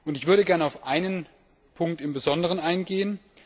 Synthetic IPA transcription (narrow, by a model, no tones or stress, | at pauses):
ʔʊntɪçv̥ʏɐɾəɡɛɐnaʊfʔaɪnən | pʰʊŋk̚tɪmbəzɔndəʁ̞ənaɪnɡeːən